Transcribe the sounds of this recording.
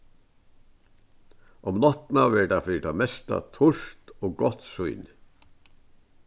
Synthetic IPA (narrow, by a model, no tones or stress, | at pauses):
ʔɔmnɑt̪n̩ɑːʋɛɖɑfiːʈʰɑːmɛst̪ɑ̰t̪ʰʊʃt̪oːɡɔt̪sʉʏn